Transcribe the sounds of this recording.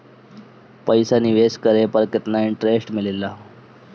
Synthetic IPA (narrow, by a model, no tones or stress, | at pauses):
pəjsaniːʋeskəɾepəɾkət̪naiɳʈɾesʈmilela